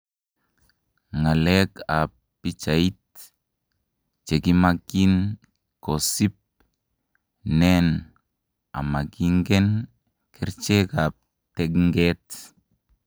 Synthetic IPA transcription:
ŋaleka | pit͡ʃait | t͡ʃeɡimaɡin | kosip̚ | nɛn | a̰maɡiŋɡɛn | kʰiɾt͡ʃeka | tɛɡŋɡet

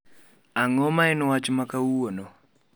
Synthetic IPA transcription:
aŋɔmaɪnwat͡ʃmakauwono

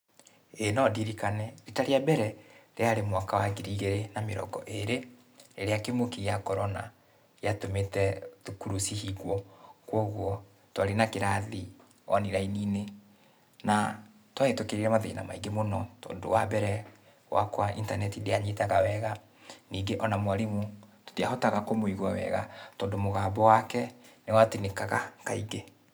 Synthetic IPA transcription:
enɔdiɾikanɛitaɾeabɛɾɛɾeaɾemwakawaɡiɾiɣeɾenameɾɔ̰ɡɔ̰ʔeɾe | eɾeakemokijakɔɾɔna̰ | jatometɛðukuɾusihiɣwɔkwɔɣwɔ | twaɾenakeɾaði | ɔ̰niɾainiːne | na | twaetokeɾeɾɛmaðeina̰maiŋɡemonɔtɔ̰ːndo̰wabɛɾɛ | wa̰kwaʔḭntanɛtideaɲetaɣawɛɣa | niːŋɡeʔɔnamwaɾimuto̥teahɔtaɣakomoiɣwawɛ̰ɣa̰tɔːndomoɣaːbɔwakɛnewatenekaɣakaiɡe

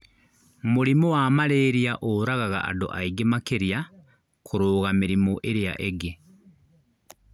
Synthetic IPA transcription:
mulimowamaleɾijaʔoɾaɣaɣa̰ʔa̰do̰ʔaiɡemakeɾija | kʰuɾoːɣamiɾimoʔeɾeja̰ʔeɡe

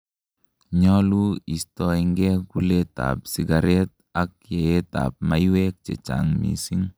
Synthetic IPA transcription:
ɲɔluistɔiŋɡɛkuleta̰psiɡaɾɛt̚ | ak̚jeeta̰p̚majwek̚t͡ʃḛt͡ʃa̰ŋmḭsiŋ

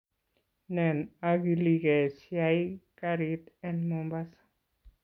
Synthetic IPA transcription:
nɛnaɡiliɡɛsjajkaɾit̪ɛnmɔmbas

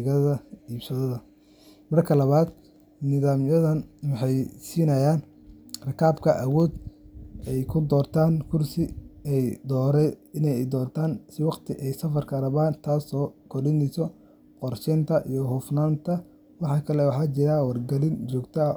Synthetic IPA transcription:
ɣɐðɐiːbsɐðɐðɐ | mɐrkʰɐlɐβaːd̪ | nɪðaːmjɐðɐnwɑħɑjsiːnɐjaːn | rɐkʰaːbkʰɐʔɐwɔːd̪ | ɛjkʰʊd̪ɔːrt̪ʰaːnkʰʊrsɪɛjd̪ɔːɾɛjɪnɛjd̪ɔːrt̪ʰaːnsɪwɑqt̪ʰɪʔɛjsɐfɐrkʰɐrɐβaːnt̪ʰaːsɔːkʰɔrɗɪnɛjsɔ | qɔrʃɪnt̪ʰɐʔijɔɦʊfnaːnt̪ʰɐ | wɑħɑːkʰɐlɛwɑħɑːt͡ʃɪɾɐwɐrɡɐlɪnt͡ʃɔːɡt̪ʰɐ

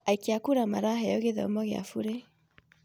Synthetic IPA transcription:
aikeakuɾamaɾaɦɛɔɣeðɔ̰mɔɣea̰fuɾe

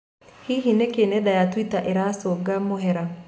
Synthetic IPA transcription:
hiɦinekeneɗajatwitaʔeɾasoɡamoɦeɾan

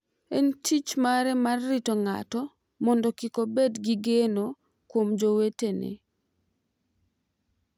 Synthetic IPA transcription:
entʰit͡ʃmaɾɛmarːitɔŋa̰tɔ | mɔndɔkikobedɡiɡeno | kwomd͡ʒowetenḛ

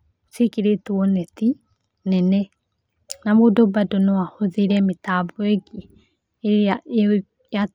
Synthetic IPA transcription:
sekiɾetuɔnɛti | nɛnɛ | namodɔbadonɔwahoðiɾɛmetaβɔeɡi | ja

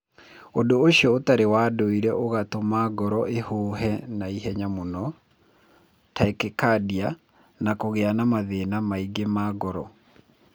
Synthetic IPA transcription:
ondoːɕiɔotaɾewaːdoiɾɛʔoɣatomaɡɔɾɔʔehoːɦɛnaiɦɛɲamonɔ | taekekadia | nakoɣeanamaðenamaiɡemaːɡɔɾɔ

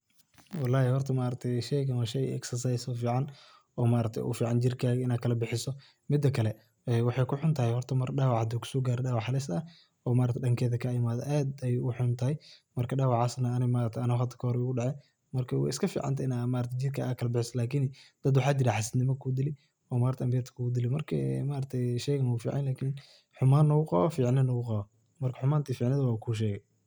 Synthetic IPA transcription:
wɑlːaːhɛhɔrt̪ʰɐmaːɾɐt̪ʰɛjʃɛjkɐnwɐʃɛj̰ɛ̰ksɐrsɐjsɔfiːʕɑn | ɔːmaːɾɐt̪ʰɛ̰jʔʊ̰fiːʕɑnt͡ʃɪrkʰaːɣɐɪnaːkʰɐlɐbɪħɪsɔ | mɪd̪ːɐkʰɐlɛ | ɛːwɑħɑjkʰʊħʊnt̪ʰɐhɛhɔrt̪ʰɐmɐrɗɑːwɑʕd̪ɔːkʰʊ̥sɔːɡaːɾɛɗaːwɑħɑlɪsɐ | ɔːmaːɾɐt̪ʰɛɗɐŋkʰɛːðɐkʰɐɪmaːðɛ̰ʔaːd̪ɛjʊħʊnt̪ʰɐhɛjmɐrkʰɐɗaːwɑʕaːsnɐːnɪɣmaːɾɐt̪ʰɛɐnɪɔhɐt̪ʰːɐ̥kʰɐhɔɾɛʊɣʊɖɑʕɛ | mɐrkʰɐwɑ̰ɪskʰɐfḭːʕɑ̰nt̪ʰɪnamaːɾɐt̪ʰɛd͡ʒiːd̪̚kʰɐakʰɐlɐbɪħɪsɐlaːkʰind̪̥ɐd̪wɑħaːt͡ʃɪɾɐħɑsɪd̪nɪmɐkʰud̪ɪlɪ | ɔːmaːɾt̪ʰɛʔɐmbɪjɐt̪ʰɐ̥kʰʊɡʊd̪ɪlɪmɐrkʰɐ̰maːɾɐt̪ʰɛjʃɛjɣɐnɔɡʊfiːʕɑnlaːkʰin | ħʊmaːnːɐɣʊqɑ̰ɔfiːʕnɪnɐɣʊqɑɔ | mɐrkʰɐħʊmaːnt̪ʰiːfiːʕnɪðɐwakʰuːʃ̬ɛːɣɛj

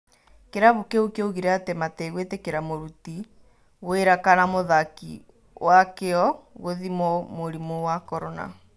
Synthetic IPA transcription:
keɾaβokeokeoɣiɾɛatemateɣwetekeɾamoɾuti | ɣweɾakanamoðakḭ | wakeɔɣoðimɔmoɾimowakɔɾɔna̰

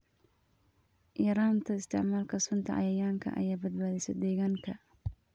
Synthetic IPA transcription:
jɐɾaːnt̪ʰɐɪst̪ʰɪ̰ʕmaːlkʰɐsʊnt̪ʰɐ̰ʕɑ̰jɐjaːŋkʰɐ̰ʔɐ̰jaːbɐd̪̚baːðɛsɛ̰d̪ɛːɣaːŋkʰɐ

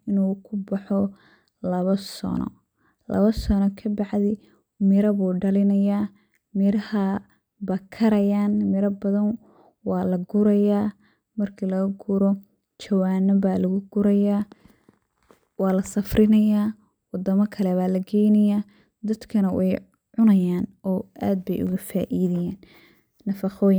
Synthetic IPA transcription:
ɪnuːkʰʊbɑħɔ | lɐβɐsɔ̰nɔ̰ | lɐ̰βɐsɔnɔkʰɐbɑʕd̪ɪ | mɪɾɐβuːɖɐlɪnɐjaː | mɪɾɐhɐ | bɐkʰɐɾɐjaːnmɪɾɐbɐðɐn | wɑːlɐɡʊɾɐjaː | mɐrkʰilɐɣɐɡuɾɔ | t͡ʃɐwaːnɐbaːlɐɣʊɡʊɾɐjaː | wɑːlɐsɐfrʔɪnɐjaː | wɑd̪ɐmɐkʰɐlɛβaːlɐɡʰɛjnɐjaː | d̪ɐd̪kʰɐnɐwʔɛj | ʕʊnɐjaːnɔːʔa̰ːd̪̚bɛjʔʊ̰ɣɐfaːʔiːðɐjaːnː | ɐfɑqɔːjn

